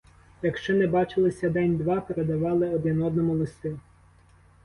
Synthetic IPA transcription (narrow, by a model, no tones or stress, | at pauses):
jɐkʃt͡ʃɔnɛbɑt͡ʃɪlˠɪsʲɐd̪ɛnʲd̪ʋɑpeɾed̪ɐʋɑlˠɪɔd̪ɪnɔd̪nɔmʊlˠɪst̪ɪ